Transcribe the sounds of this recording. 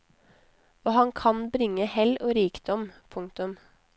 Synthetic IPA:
oːhɑŋkʰɑnbɾɪŋːəhɛloːɾiːkd̪ɔmpʰʊŋkt̪ʉm

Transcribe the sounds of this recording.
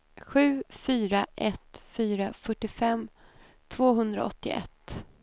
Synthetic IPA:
ɧʉ̟ːfyːɾaʔɛt̪fyːɾafœʈːɪfɛm | t̪ʰvoːɦɵnd̪ɾa̰ɔ̰t̪ːɪ̰ʔɛ̰t̪ː

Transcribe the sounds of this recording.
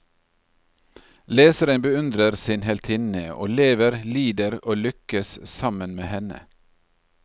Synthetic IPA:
leːsəɾənbəʉnd̪ɾəɾsɪnhɛlt̪ʰɪnəo̰ːleːʋəɾliːd̪əɾoːlʏkəssɑmənmeːhɛnə̰

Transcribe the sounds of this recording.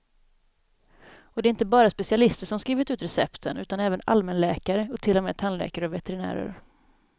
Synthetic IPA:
ɔd̪ɛɪnt̪əbɑːɾaspɛsɪalɪst̪əʂɔmskɾiːvɪt̪ʉːt̪ɾɛsɛpt̪ʰənʉ̟ːt̪anɛːvəna̰lmənlɛːkaɾəɔt̪ʰɪlːɔmeːt̪ʰanlɛ̰ːkaɾəɔvɛt̪ɛɾɪnæ̰ːɾə̰ɾ

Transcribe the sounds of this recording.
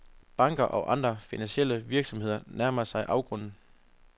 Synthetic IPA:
b̥ɑ̈ŋɡ̥ɐʔɒʔɑ̈nd̥ʁɐfinænɕiel̰əʋiɐɡ̥sɒ̽mhe̝ð̞̰ˠɐnæɐmɐsɑ̈ɪʔɑ̈ʊɡ̥ʁɔ̽n̰n̩

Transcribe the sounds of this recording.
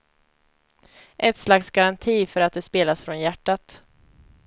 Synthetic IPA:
ʔɛt̪slaksɡaɾant̪ʰiːfœɾat̪̚d̪ɛspeːlasfɾɔnjæʈːat̪

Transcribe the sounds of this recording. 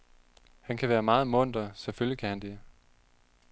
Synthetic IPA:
hænkʰæʋæːɐmɑ̈ːð̩ˠmɔ̽n̰d̥ʁɐseføljikʰæhænd̥e̝

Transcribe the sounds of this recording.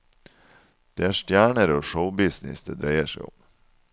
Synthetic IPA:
d̪̥eːæːʂt̪jæːɳəɾoːʃəʊbɪsnɪ̰sd̪eːd̪ɾæɪəʂæɪʊ̰m

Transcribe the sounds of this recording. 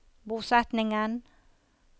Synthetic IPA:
buːsɛt̪nɪŋən

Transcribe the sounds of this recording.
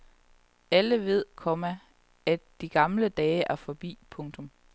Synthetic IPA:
æləʋe̝ð̞̰ˠkʰɒ̽mæ | æd̥iɡ̥ɑ̈mləd̥ɛːɪʔæɐfɒ̽b̥ḭːpʰɔ̽ŋt͡sʰɔ̽m

